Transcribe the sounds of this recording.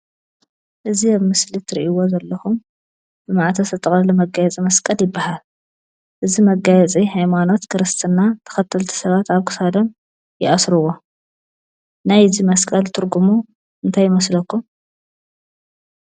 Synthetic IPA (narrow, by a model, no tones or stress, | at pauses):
ʔɨziaβmɨslit̪ʰɨɾḭʔiwo̞zɐlːɐxum | b̥ɨmaʕt̪ʰɐsɐt̪ʼɐχʼɐlɐmɐɡajɛt͡sʼimɐskʼɐljɪbːahal | ʔɨzimɐɡajɛt͡sʼihajmano̞t̪kʰɨɾɨst̪ʰɨnːat̪ʰɐ̥xɐt̪ʰːɐlt̪ʰi̥sɐβat̪aβkʰɨ̥sad̪ɐm | jɪʔasɾuwo | najzimɐskʼɐlt̪ʰɨɾɡumu | ʔɨnt̪ʰajːɪmɐslɐkːum